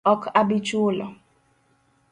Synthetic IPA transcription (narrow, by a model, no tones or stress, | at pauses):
ɔkabit͡ʃulɔ